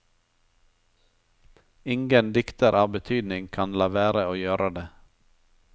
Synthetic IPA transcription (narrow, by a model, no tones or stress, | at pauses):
ɪŋɡənd̪ɪkt̪əɾʔɑːbət̪ʰyːd̪nɪŋkʰɑnlɑːʋæːɾəoːjøːɾəd̪eː